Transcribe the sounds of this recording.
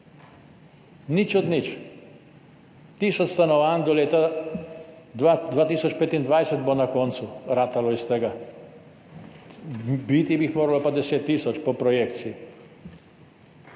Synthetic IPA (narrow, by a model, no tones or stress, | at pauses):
nit͡ʃɔd̪nit͡ʃ | t̪isɔt̪st̪anɔʋaːnd̪ɔleːt̪a | d̪ad̪ʋaːt̪iːsɔt͡ʃpet̪ind̪ʋajsɛt̪bonakont̪suɾaːt̪aloist̪ɛɡa | bit̪ibixmoːɾalopad̪ɛseːt̪ːisɔt͡ʃpopɾɔjekt̪sii